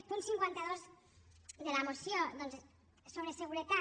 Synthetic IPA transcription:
punsiŋkwant̪aðoz | d̪elamosjod̪onz | soβɾeseɣuɾet̪a

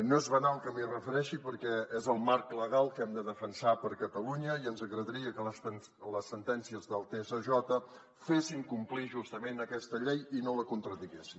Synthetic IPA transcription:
noezβənalˠkəmirəfəɾɛʃipəɾkɛezəlˠmaɾkləɣ̞alˠkɛmd̪əðəfənsapəɾkət̪əluɲəiənzəɣɾəðəɾiəkələsən | ləsːənt̪ɛnsiəzðəlˠt̪esəʒɔt̪ə | fesiŋkumpliʒust̪əmenəkɛst̪əʎejinoləkunt̪ɾəðiɣesi

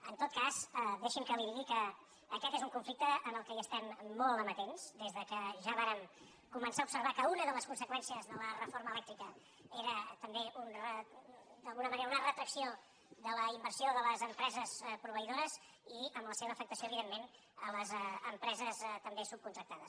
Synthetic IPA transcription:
ənt̪ot̪kazd̪eʃimkəliɾiɣikəː | kɛt̪ezuŋkuɱflik̚t̪əənəlˠkɛiəst̪ɛmːolˠəmət̪enz̥d̪ezðəkəʒaβaɾəm | kumənsaubsəɾβ̞akəunəðələskunsəkwɛnsiəzðələrəfoɾməːlɛkt̪ɾikə | eɾət̪əmbeʔunrəd̪əlˠɣunəməneɾəunərət̪ɾəksio | ðələimbəɾsioðələzəmpɾɛzəspɾuβəiðoɾəz | iəmləseβəːfəkt̪əsioəβiðemːen | ələzəmpɾɛzəzt̪əmbesup̚kunt̪ɾəkt̪aðəs

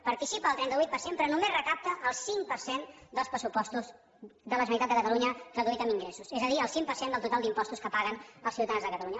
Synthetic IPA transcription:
pəɾt̪isipəːlˠt̪ɾɛnt̪əβuit̪̚pəɾsempɾɔnumezrəkap̚t̪əʔːlˠsiŋpəɾsend̪əlˠspɾəsupɔst̪uz | ðələsənit̪at̪d̪əkət̪əluɲəkəðuit̪əmiŋɡɾɛsusɛzəðiəlˠsiŋpəɾsend̪əlˠt̪ut̪alˠd̪impɔst̪uskəpaɣənəlˠsiwt̪əðanzðəkət̪əluɲə

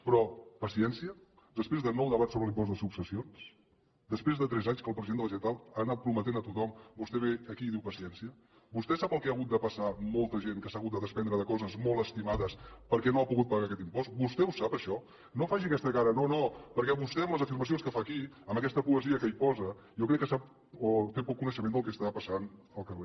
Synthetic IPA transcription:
pɾɔpəsiɛnsiə | d̪əspɾezðənɔwðəβasoβɾəlimpɔzd̪əsupsəsions | d̪əspɾezðət̪ɾɛzaɲskəlˠpɾəziðenələʒət̪alˠaːnat̪̚pɾumət̪enət̪ut̪ɔmbust̪ɛβeəkiðiwpəsiɛnsiə | bust̪ɛsapəlˠkɛəɣut̪̚d̪əpəsamolˠt̪əʒenkəsaɣut̪d̪əðəspɛnd̪ɾəðəkɔzəzmolˠəst̪imaðəspəɾkɛnoapuɣut̪̚pəɣakɛt̪impɔst̪̚bust̪ɛusapəʃɔ | nofaʒiəkɛst̪əkaɾənonopəɾkɛβust̪ɛəmləzəfiɾməs̬ionskəfaki | əməkɛst̪əpuəziəkəipɔzə | jokɾɛkːəsap̚ | ot̪epɔkːunəʃəmend̪əlˠkɛst̪apəsan | əlˠkəre

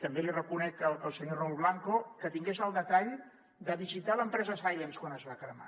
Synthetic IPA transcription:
t̪əmbelirəkunɛkələlˠsəɲorulˠβlaŋkokət̪iŋɡezəlˠd̪ət̪aʎ | d̪əβizit̪aləmpɾɛzəsajlənskwanəzβakɾəma̰

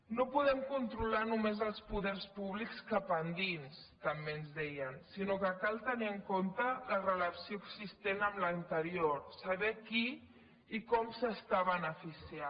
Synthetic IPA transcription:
nopuðɛmkunt̪ɾulanumezəlˠspuðɛɾspuβlikskapənd̪ins | t̪əmbeənzðɛjənsinokəkalˠt̪əniəŋkont̪ələrələpsioəkzist̪enəmlənt̪əɾioɾsəβɛkiː | kɔmsəst̪aβənəfisia

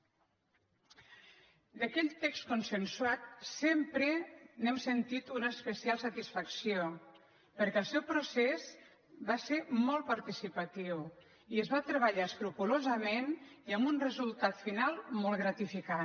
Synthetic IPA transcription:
d̪əkɛʎt̪ːɛkst̪kunsənsuat̪̚sempɾənɛmsənt̪it̪unəːspəsialˠsət̪isfəksio | pəɾkɛəlˠsɛwpɾusez | baseɾmɔl̚ˠpəɾt̪isipət̪iw | iəzβat̪ɾəβəʎaəsk̪ɾupulozəmeniəmbunrəzulˠt̪at̪finalˠmolˠɣɾət̪ifika

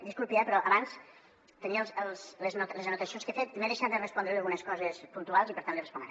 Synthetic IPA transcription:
d̪iskulˠpiapəɾɔʔɐβans | t̪əniəlˠzəlˠsləznut̪ləzənut̪əsionskefet̪ːmeðeʃad̪ərəspɔnd̪ɾelɣunəskɔzəspunt̪ualˠzipəɾt̪anlirəspunɾ

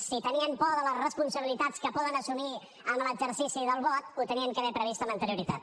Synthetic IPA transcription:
sit̪əniənpɔðələsrəspunsəβilit̪askəpɔðənəsuni | əmləd͡ʒəɾsisiðəlˠβɔt̪̚ut̪əniəŋkəðepɾəβist̪əmənt̪əɾjuɾit̪at̪̚

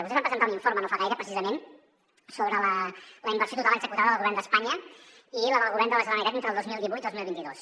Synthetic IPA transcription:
βuseβampɾəzənt̪auniɱfoɾmənofaɣajɾəpɾəsizəmen | soβɾələləimbəɾrsjot̪ut̪aləɡzəkut̪aðəðəlˠɣuβɛɾrnd̪əspaɲə | iləəlˠɣuβɛrnd̪əβəs̬lonəit̪at̪ent̪ɾəlˠd̪ozmilˠd̪iβujt̪iðozmilˠβint̪iðos

